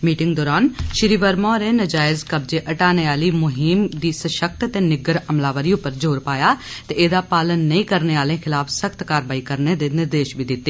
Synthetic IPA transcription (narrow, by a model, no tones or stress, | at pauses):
miːʈɪ̃ŋɡd̪ɔːɾaːnʃɪɾiːʋəɾmãːɾeːnəd͡ʒaːɪzkəb̚d͡ʒeːʔəʈaːneːaːliːmʊɦiːmd̪iːsəʃək̚t̪ət̪eːnɪɡəɾəmlaːʋəɾijõpəɾd͡ʒoːɾpaːjaː | t̪eeːd̪aːpaːlənːəĩːkəɾneːaːlẽːkʰɪlaːfsəxt̪kaːɾʋaːiːkəɾned̪eːnɪɾd̪eːʃbʱiːd̪ɪt̪ːeː